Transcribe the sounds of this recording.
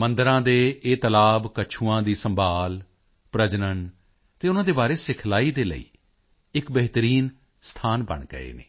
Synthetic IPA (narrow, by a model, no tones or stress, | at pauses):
mənd̪əɾãːd̪eːeːt̪əlaːbkət͡ʃʰuːãːd̪iːsəmbʱaːl | pɾəd͡ʒnən | t̪eːʊnãːd̪eːbaːɾeːsɪkʰlaːiːd̪eːlə̰ḭː | ɪkbɛɦt̪əɾiːn | st̪ʰaːnbə̰ɳɡə̰ḛːnḛː